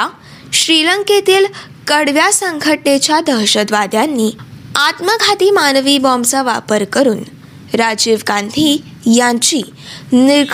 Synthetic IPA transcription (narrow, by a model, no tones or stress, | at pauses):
ɕɾiləŋket̪iːl | kəɽʋjasəŋɡʱəʈnet͡ɕjad̪əɦɕəd̪ʋad̪ʱjanːiːat̪məɡʱat̪iːmanʋibɔmsəʋapəɾkəɾuːn | ɾad͡ʑiʋkãnt̪i | jãt͡ɕi | niɾ